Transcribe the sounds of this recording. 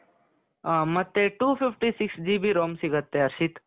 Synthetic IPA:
mɐt̪ːeʈuːpʰifʈisiksd͡ʒiːbʱiɾoːmsiɡət̪ːeɐɾʃit̪

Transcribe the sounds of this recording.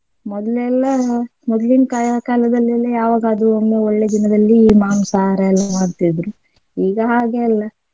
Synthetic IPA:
mɔd̪ɐlɛlːɐmɔd̪linkakaːlɐd̪ɐlːɛlːɐjaːʋaːɡaɐd̪uomːeoɭːe̞d̪inɐd̪ɐlːiːmaːnusaːɾɐɛlːɐmaːɽt̪id̪ɾu | iːɡɐɦaːɡeɐlːɐ

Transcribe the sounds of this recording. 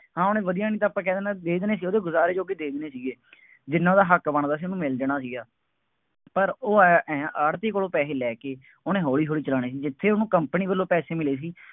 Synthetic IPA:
hãːoːnẽːʋəd̪ijãːnĩːt̪aːpːãːkɛːd̪ːnad̪eːd̪neːsiːoːd̪eːɡʊzaːɾeːd͡ʒoːɡeːd̪eːd̪neːsiːɡeː | d͡ʒɪnːãd̪aːɦəkbəɳd̪aːs̬iːonũːmɪld̪eñaːsiːɡaː | pəɾoːɛ̃ːəɽt̪eːkoɽoːpɛːseːlɛːkeː | oːnẽːɦoːɽiːɦoːɽiːt͡ʃəlaːɽiːs̬iːd͡ʒɪt̪ʰːeːonũːkəmpəniːbəlːõːpɛːseːmɪleːs̬iː

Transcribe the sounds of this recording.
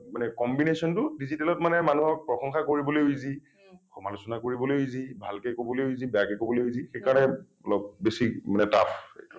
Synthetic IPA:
manɛkɔmbinesɔntʊdizitɛlɔtmanɛmanuɦɔpɹɔxɔŋxakoɹibɔlojojzi | kʰɔmalusɔnakoɹibɔlojizibʱalkejkobɔlojojzibɛjakekobɔlojizixejkaɹɔnɛ | ɔlɔb̚besimanɛta̰pḛtu

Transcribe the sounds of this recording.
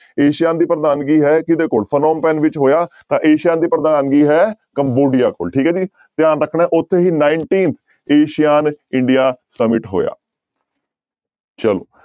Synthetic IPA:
eːʃɪjãːnd̪iːpɾəd̪aːnɡiːɦɛːkɪd̪eːkoːɭpʰənoːmpɛːnʋɪt͡ʃɦoːjaːt̪ãːʔeːʃijãːnd̪iːpɾəd̪aːnɡiːɦɛːkəmboːɖijaːko̰ːlʈʰiːkɛːd͡ʒiː | t̪ɪjaːnɾəkʰːɳɛːʔʊt̪ʰːeːɦiːnaːɪɳʈiːnt̪ʰ | eːʃijaːnɪɳɖijaːsəmɪʈɦo̰ːja̰ː | t͡ʃəlo̰ː

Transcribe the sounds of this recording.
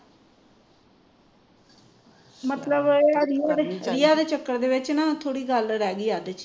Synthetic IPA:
mət̪ləbəɾijaːd̪eːɪjaːd̪eːt͡ʃəkːəɾd̪eːʋɪt͡ʃnãːt̪ʰoːɽiːɡəlɾɛːɡiːaːd̪et͡ʃi

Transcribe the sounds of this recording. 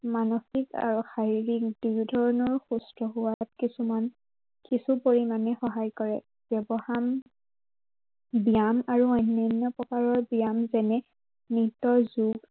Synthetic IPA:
manɔxika̰ɹuxaɹɹik̚d̥ujdʱɔɹɔnɔɹxustɹɔɦʊwat̚kisuman | kisupoɹimanɛxɔɦajkɔɹɛ̰ | b̥jɔbɔham | bijamaɹuɔjnɔnːɔpɹɔkaɹɔɹbijamzɛnɛ | nitɔzuɡ

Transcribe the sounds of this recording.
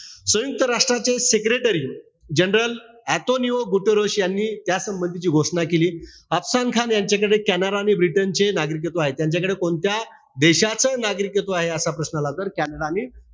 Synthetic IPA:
sʋəjuk̚t̪əɾaʂʈɾat͡sesekɾeʈəɾiː | d͡ʑənɾəl | æt̪oniʋəɡuʈəɾəɕjanːiːt̪jasəmbənd̪ʱit͡ɕiːɡʱoʂɳakeliː | əpsankʰanjaɲt͡ɕakəɽekænəɾaniːbɾiʈənt͡senaɡɾik̬ət̪oaɦet̪jaɲt͡ɕakəɽekoɳt̪ja | d̪eɕat͡sənaɡɾikət̪oaɦeəsapɾəsnalat̪əɾkænəɽaniː

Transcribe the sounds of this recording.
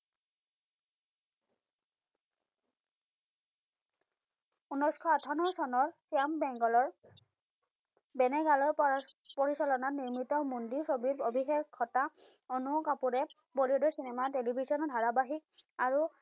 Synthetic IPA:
unɔjskʰɔatʰanɔsɔnɔɹsiambɛŋɡɔlɔɹ | bɛnɛɡalɔɹpoɹisalɔnaniɹmitɔmundisobibobʱixekʰːɔtaɔnukapuɹɛ | bolidɔsinɛmatelibʱizɔnɔdʱaɹabaɦik̚aɹu

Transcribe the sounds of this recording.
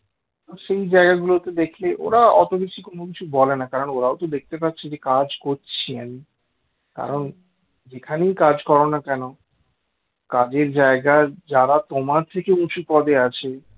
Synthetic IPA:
t̪oʃejd͡ʑaeɡaɡulot̪ed̪ekʰleʔo̰ɾaɔ̰t̪obeʃʰikonokit͡ɕʰubɔlenakaɾonoɾaot̪od̪ek̚ʰt̪epatːʰid͡ʑekad͡ʑkoɾt͡ɕʰiami | ka̰ɾon | d͡ʑekʰaneikad͡ʑkɔɾonakɛno | kad͡ʑeɾd͡ʑaeɡad͡ʑaɾat̪omaɾt̪ʰekeuʃupɔd̪ʱeat͡ɕʰe

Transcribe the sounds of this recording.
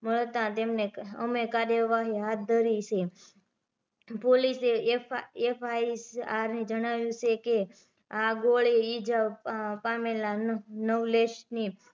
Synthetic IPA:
məɭt̪ãt̪emneəmekaɾjəʋaɦiɦat̪̚d̪ʱəɾit͡ʃʰe | poliseefʰaisaɾned͡ʒəɽ̃aʋjũt͡ʃʰeke | aɡoɭiid͡ʒapamelanəʋleʃni

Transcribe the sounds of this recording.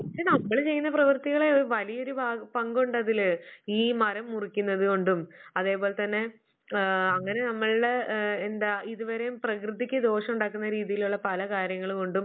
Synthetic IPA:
ɐeːnɐmːɐɭt͡ɕe̞jːunːɐprɐʋɨrt̪iɣɐɭeoɾuʋɐlijo̞ɾubʱaːpɐŋɡoɳɖɐðiliːmɐɾɐmːurikʲːunːɐðɨkoɳɖumɐðe̞ːpo̞ːle̞t̪ɐnːe̞ | ɐŋːɐne̞nɐmːɐɭɽe̞ːnd̪aːiðuʋɐɾejumprɐkrɨðikʲːɨd̪o̞ːʂɐmuɳɖaːkːunːɐɾiːðijiluɭːɐpɐlɐkaːɾjɐŋːɐɭko̞ɳɖum

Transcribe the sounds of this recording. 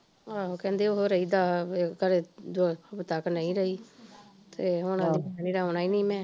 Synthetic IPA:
aːokɛ̃ːnd̪eːoɦoɾəiːd̪aːekəɾed̪obt̪əknə̃ĩːɾəiː | t̪eːɦʊnãːiːbaniːɾaɦonaːiːnĩːmɛ̃ː

